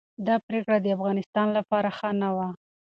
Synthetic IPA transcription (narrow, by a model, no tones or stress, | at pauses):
d̪ɑpɾekɽad̪əafɣɑnɪst̪ɑnlapɑɾaxanawa